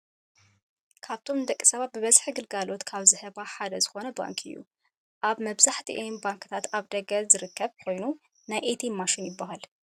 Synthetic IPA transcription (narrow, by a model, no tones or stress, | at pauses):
kʰaβt̪ʰo̞mɨd̪ɐkʼːɨ̥sɐβat̪̚bɨβɐzħiɡɨlɡalo̞t̪kʰaβzɨhɨβaħad̪ɐzɨxo̞nɐba̰ŋkʰɨjːṵ | ʔaβmɐβzaħt̪ʰḭʔinbaŋkʰɨt̪ʰat̪aβd̪ɐɡɐzɨɾɨkːɐβkʰo̞jnu | najʔet̪ʰimaʃɪnjɪbːaɦal